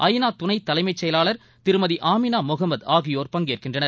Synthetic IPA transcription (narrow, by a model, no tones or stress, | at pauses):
ʔɐjnaːt̪ʊnɐɪt̪ːɐlɐɪmɐɪt͡ʃːɛjɐlaːlɐɾ | t̪ɪɾɯmɐðiʔaːmɪnaːmʊɣɐmːɐðaːɣɪjoːɾpɐŋɡeːrkɪndrɐnɐɾ